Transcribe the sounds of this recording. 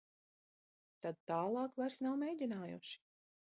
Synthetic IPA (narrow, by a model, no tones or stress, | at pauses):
t̪ad̪̚t̪aːlˠɑːkvaɾsnawmʲejdʲinaːjṵʃi̥